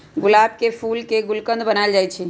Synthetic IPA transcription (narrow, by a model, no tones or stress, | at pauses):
ɡulab̚kepʰulkeɡulkə̃nd̪bənaeld͡ʒajt͡ʃʰi